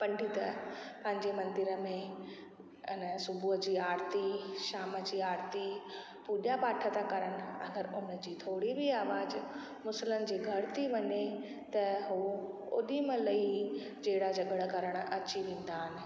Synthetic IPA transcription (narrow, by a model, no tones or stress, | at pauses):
pɐ̃ɳɖʱit̪ɐpɐ̃ɦɪ̃ɲd͡ʑemɐ̃nd̪ɪɾə̆mẽ | ɪnəsʊbʱuɦəd͡ʑiːaːɾt̪iʃaːməd͡ʑiːaːɾt̪i | puːʄapaːʈʰət̪akɐɾəɽ̃ɪ̆ɐɡəɾʊnəd͡ʑiːt̪ʰoːɽibiaːʋaːd͡ʑ | mʊsələnɪ̆d͡ʑiːɡʱɐɾt̪ʰiʋɐɲe | t̪ɐɦuː | o̰ːɗimə̃lɐi | d͡ʑeɦɪɽad͡ʑɐɠəɽəɡɐɾəɽ̃ɐt͡ɕiʋẽːn̆d̪aːɦɪnɪ̆